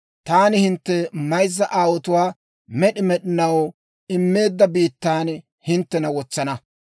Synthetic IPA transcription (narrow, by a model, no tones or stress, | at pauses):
t̪aːnɪhɪnt̪ːɛmɐjzːɐʔaːwɔt̪ʊwaː | mɛɗɪmɛɗɪnɐw | ɪmːe̞ːd̪ːɐbiːt̪ːaːn | hɪnt̪ːɛnɐwɔt͡sːɐnɐ